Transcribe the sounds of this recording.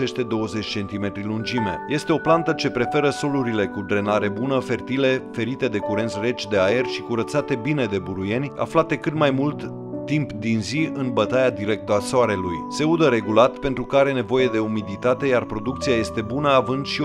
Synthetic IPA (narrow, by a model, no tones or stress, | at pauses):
e̞st̪e̞d̪o̞wəzet͡ʃʲt͡ʃe̞nt̪ime̞t̪ɾilund͡ʒime̞̰je̞st̪e̞o̞plant̪ət͡ʃe̞pɾe̞fe̞ɾəso̞luɾile̞kud̪ɾe̞naɾe̞bunəfe̞rt̪ile̞fe̞ɾit̪e̞d̪e̞kuɾe̞nt̪sʲre̞t͡ʃʲd̪e̞aje̞rʲʃi̥kuɾət̪sat̪e̞bine̞d̪e̞buɾuje̞nʲa̰flat̪e̞kɨt̪majmult̪ː | impd̪inziɨnbət̪ajad̪iɾe̞k̚t̪əasoaɾe̞lujse̞ud̪əɾe̞ɡulat̪pe̞nt̪ɾukaɾe̞ne̞vo̞je̞d̪e̞umid̪it̪at̪e̞jarpɾo̞d̪ukt̪siaje̞st̪e̞bunəavɨnd̪ʃi